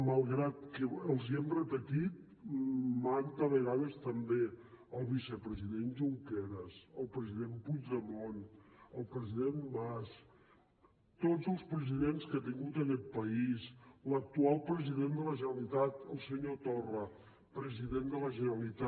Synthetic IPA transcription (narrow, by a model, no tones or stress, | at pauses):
malˠɣɾat̪kəəlˠziembɾət̪əkit̪̚ | mant̪əβəɣaðəst̪əmbeəlˠβisəpɾəziðenʒuŋkɛɾəsəlˠpɾəziðempud͡ʒðəmonəlˠpɾəziðembas | t̪od͡zəlˠspɾəziðenskat̪̬iŋɡut̪əkɛt̪̚pəislək̚t̪ualˠpɾəziðend̪ələʒənəlit̪at̪əlˠsəɲot̪orə | pɾəziðend̪ələʒənəəlit̪a